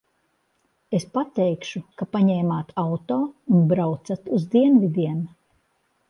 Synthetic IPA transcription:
espat̪ɛjkʃukapaɲɛːmaːt̪ʰawt̪ɔːunbɾawt̪sat̪uzd̪iɛnvid̪iɛn

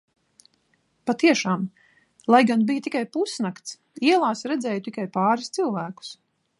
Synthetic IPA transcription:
pat̪iɛʃaːm | lˠajɡanbijt̪ikajpusnakt̪s | iɛlˠaːsɾɛd̪zɛːjt̪ikajpɑːɾist̪silˠvæːku̥s

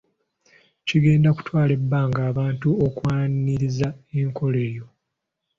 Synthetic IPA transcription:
ciɡe̞ːndaku̥twaːle̞bːaŋɡaːβaːntuokwaːnniɾizaeːŋko̞le̞ːjo̞

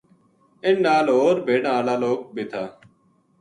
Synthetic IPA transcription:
ɪnːaːlɦoːɾbʱeːɳaːlaːloːk̚bʱit̪ʰaː

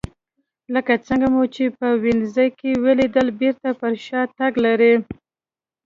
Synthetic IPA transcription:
ləkat͡səŋɡamut͡ʃepəwɪnzəjkeweled̪əlbeɾt̪apəɾʃɑt̪aɡlaɾi

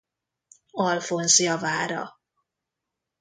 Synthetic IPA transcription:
ɒlfonzijɒvaːɾɒ̰

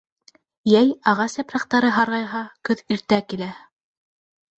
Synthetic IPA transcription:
jæjɑʁɑsæpɾɑqt̪ɑɾɤɦɑɾʁɑjɦɑkɵðiɾt̪ækilæ

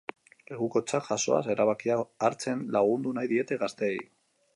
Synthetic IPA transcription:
le̞ɣuko̞t͡saʝaso̞̰a̰se̞ɾaβakiaːɾt͡se̞nlaɣ̞und̪unajðie̞t̪e̞ɣast̪e̞ːj

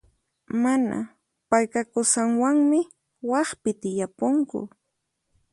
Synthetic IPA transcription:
mana̰ | pajkakʊsaŋwaŋmɪ | wɑχpɪt̪ɪjapoŋkʊ̰

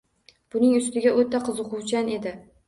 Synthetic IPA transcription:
b̥ʊnɪŋʊst̪ɪɡʲaʔot̪aqʰɨzʊqʊwt͡ʃʰane̞d̪ɪ

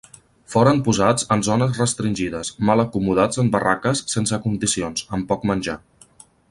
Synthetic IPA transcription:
foɾəmpuzad͡zənzonəzrəst̪ɾinʲʒiðəsmalˠəkumuð̞ad͡zəmbərakəsːensəkund̪isionzəmpɔkmənʲʒa

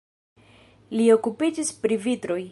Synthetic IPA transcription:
lio̞kupid͡ʒispɾivitɾo̞j

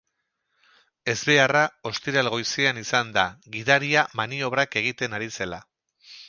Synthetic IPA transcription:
e̞zβe̞arao̞st̪iɾalɣo̞jsianisand̪aɣiðaɾiamanio̞β̞ɾake̞ɣ̞it̪e̞naɾise̞la

